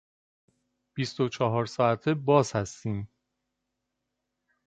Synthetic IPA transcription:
b̥ist̪ot͡ʃʰɒːɦɒːɾsɒːæt̪ʰebɒːz̥hæst̪iːm

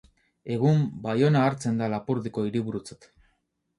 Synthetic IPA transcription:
e̞ɣ̞umbajo̞naːɾt͡se̞nd̪alapuɾðiko̞iɾiβuɾut͡set̪

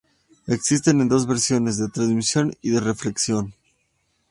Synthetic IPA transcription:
eksist̪enend̪o̞zβe̞ɾsjo̞ne̞zðet̪ɾanzmisjo̞niðere̞fle̞ksjo̞n

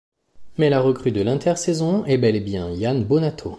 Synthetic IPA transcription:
mɛlaʁəkχyd̪əlɛ̃t̪ʰɛʁsɛzɔ̃ɛbɛlɛbjɛ̃janbonat̪ʰo

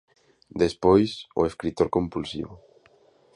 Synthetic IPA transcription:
d̪espojsʊ̰eskɾit̪oɾkompulsḭβʊ

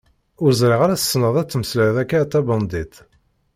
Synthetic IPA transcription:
ʊɾzɾiʁaɾæθə̥sːnəðˤæt͡sːməsləðækːat̪ːæbɑnd̪it̪

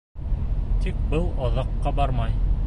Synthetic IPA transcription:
t̪ik̚bɤlˠɑðɑqːɑbɑɾmɑj

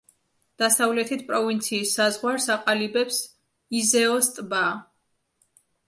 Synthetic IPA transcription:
d̪̥asavlɛt̪ʰit̪̚ʰpʼɾɔvint̪sʰiːsːazʁwaɾsaqʼalibɛps | izɛɔst̪ʼba

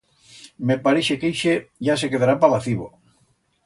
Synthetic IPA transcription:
mepaɾeʃekejʃeʝas̬ekeðaɾapalaθiβo̰

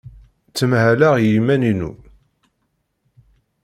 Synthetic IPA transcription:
t͡sːəmhælaʁjimæninṵ

